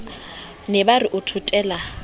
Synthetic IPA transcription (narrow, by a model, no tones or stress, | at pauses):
nɛbariʔʊtʰutʼɛːla